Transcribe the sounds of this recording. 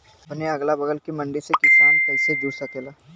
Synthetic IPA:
bʊneɐɡlabɐɡəlkimɐ̃ɳɖɪɾsekɪsaːnkɐːsed̪uːsakeːlaː

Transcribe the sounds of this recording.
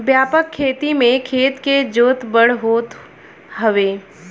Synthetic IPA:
bjaːpəkʰːeːt̪imẽkʰeːt̪ked͡ʒoːt̪bəɽ̤ɦoːt̪ | ɦəʋeː

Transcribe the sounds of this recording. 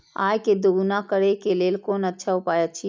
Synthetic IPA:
a̰jked̪oɡnakəɾekelelkonətːʃʰaɦupajət͡ʃʰi

